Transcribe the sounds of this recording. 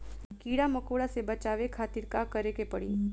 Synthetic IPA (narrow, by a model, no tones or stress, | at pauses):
kiːɽamɐkoːɽasebɐt͡ʃaːʋekʰaːt̪iɾkakɐɾekepɐɽḭː